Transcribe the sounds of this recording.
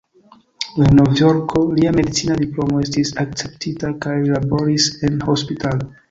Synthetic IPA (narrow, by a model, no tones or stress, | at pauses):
lano̞vjo̞ɾkʰo̞liame̞dit͡sinadiplo̞mo̞e̞stisak̚t͡se̞ptʰitakajlabo̞ɾise̞nho̞spitalo